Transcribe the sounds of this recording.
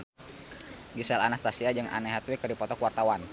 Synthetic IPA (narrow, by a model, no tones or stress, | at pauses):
ɡisɛlanast̪asiad͡ʒɨŋʔa̰nɛɦat̪wikərdipɔt̪ɔkuwart̪awan